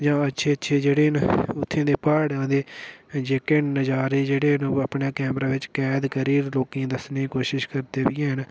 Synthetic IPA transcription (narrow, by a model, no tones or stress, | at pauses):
d͡ʒãːətːʃʰeːətːʃʰeːd͡ʒeːɽeːɦnʊt̪ʰːẽːd̪eːpəːɽãːd̪eːd͡ʒeːkeːnnəd͡ʒaːɾeːd͡ʒeːɽeːnəpɳaːkɛːmɾaːʋɪt͡ʃkɛːd̪kəɾiːloːkĩãːd̪əsneːiːkoːʃɪʃkəɾd̪eːʋɪjɛ̃ːɦən